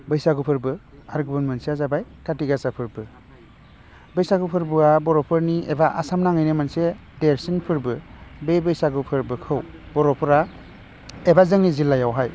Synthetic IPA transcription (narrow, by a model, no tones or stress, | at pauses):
bɯjsaɡupʰɯɾbɯaɾɡubɯnmɯnsiazabajkatiɡasapʰɯɾbɯ | bɯjsaɡupʰɯɾbuabɔɾɔpʰɯɾniebaʔasamnaŋɯjnɯmanse | deɾsinpʰɯɾbɯbebɯjsaɡupʰɯɾbɯkʰɯw | bɔɾɔpʰɯɾa | ebazɯŋnizilːajawɦaj